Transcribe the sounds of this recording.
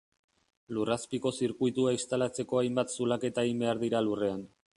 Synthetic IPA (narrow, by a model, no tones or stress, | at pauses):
luraspiko̞siɾkujt̪uaist̪alat͡se̞ko̞ajmbat̪sulake̞t̪aimbe̞aɾðiɾalure̞an